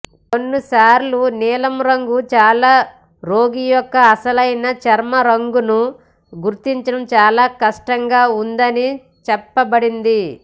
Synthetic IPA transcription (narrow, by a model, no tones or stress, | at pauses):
konːusaːɾlunɛːlɐmɾɐŋɡut͡ʃaːlaː | ɾoːɡijɔkːɐːsɐlɐjnɐt͡ʃɐɾmɐɾɐŋɡunu | ɡuɾt̪iɲt͡ʃɐɽɐmt͡ʃaːlaːkɐʂʈɐŋɡaːund̪ɐni | t͡ʃɛpːɐbɐɽind̪i